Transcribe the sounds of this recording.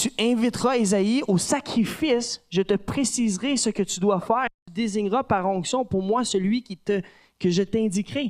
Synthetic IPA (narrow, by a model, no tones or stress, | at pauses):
t̪yɛ̃vit̪ʁaezaiosakʁifɪsʒət̪əpχesizʁesəkət̪yd̪wafɛːʁet̪yd̪eziɲʁapaʁɔ̃ksjɔ̃pʊʁmwasəlɥikʲit̪ə | kəʒət̪ɛ̃d̪ikʁe